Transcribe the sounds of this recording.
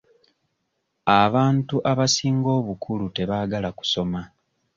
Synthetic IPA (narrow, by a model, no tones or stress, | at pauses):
aβaːntuʔaβasiːŋɡo̞ːβukʰulute̞βaːɡalaku̥so̞ma